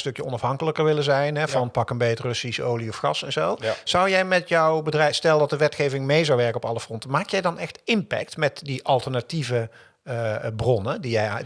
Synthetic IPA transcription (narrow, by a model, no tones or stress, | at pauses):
stɵkjəɔnɑfɦɑŋkələkəɹʋɪləzɛjnɦɛvɑnpɑkənbɛjətrɵsiso̰wliɔfχɑsɛnzoːwz̥ɑwjɛjmɛtjɔwbədrɛjstɛlˠdɑt̚dəʋɛtxejvɪŋmejzɑwʋɛɹkənɔpɑ̰ləfrɔntəmaːkjɛjdɑnɛxtɪmpɛ̰k̚tmɛtdiʔɑlˠtəɹnativə | brɔnədijɛj